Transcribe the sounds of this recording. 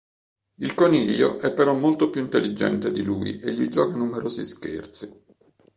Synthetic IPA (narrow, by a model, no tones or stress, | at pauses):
ilkoniʎːo̰ʔɛpːeɾɔmːolt̪opjuint̪elːid͡ʒɛ̰nt̪ed̪iluːḭʔeʎːid͡ʒɔːkanumeɾoːziskḛrt̪si